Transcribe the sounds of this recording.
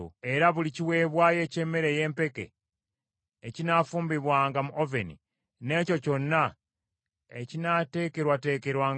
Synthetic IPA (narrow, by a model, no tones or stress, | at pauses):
o̰e̞ɾaβuliciwe̞ːβwaːje̞ce̞mːe̞ɾe̞je̞ːmpe̞kḛ | cinafuːmbiβwaːŋɡamuʔovenḭ | ne̞ːco̞co̞nːa | ecinate̞ːke̞ɾwate̞ːke̞ɾwaːŋ